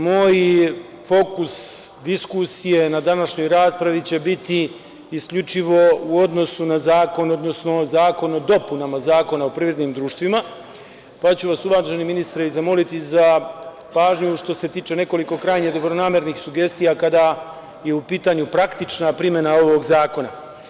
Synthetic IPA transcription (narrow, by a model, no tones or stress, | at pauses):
moːj | fo̞kusd̪iskusije̞nad̪anaʃɲo̞jɾaːspɾaʋit͡ɕe̞bit̪iː | skʎʲut͡ʃiʋo̞uo̞d̪no̞sunazaːko̞no̞d̪no̞sno̞zaːko̞nod̪o̞punamazaːko̞naopɾiːvɾe̞d̪nimd̪ɾuːʃt̪ʋima | pat͡ɕuʋasuʋaʒeniminist̪ɾeizamo̞lit̪iza | paːʒɲuʃt̪o̞se̞t̪iːt͡ʃe̞ne̞ko̞liko̞kɾajɲed̪o̞bɾonaːme̞ɾnixsuɡe̞st̪ijakad̪a | je̞upiːt̪aɲupɾakt̪it͡ʃnapɾimje̞nao̞ʋo̞ɡzaːko̞na